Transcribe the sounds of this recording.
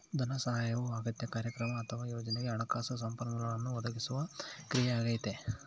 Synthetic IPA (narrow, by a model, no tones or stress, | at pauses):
d̪ʱɐnɐsɐɦaːjɐʋuaːɡɐt̪ːjekaːɾjɐkɾɐmɐɐt̪ʰɐʋaːjoːd͡ʒɐneɡeɐɳɐkaːsɐsɐmpɐɾmɐlɐɭɐnːuʋɐd̪ʱɐɡisuʋɐkɾijaaːɡɐjit̪e